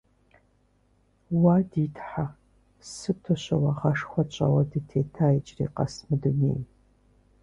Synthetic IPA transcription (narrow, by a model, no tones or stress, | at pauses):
waːditʰħa | sɨtʰɔɕɐwɑʁɐʂxʷɔt͡ʃʷʼɐ̰wɐdɨtʰeːtʰaːjɪt͡ʃʼrḭːqɐ̰smɨdunḛːj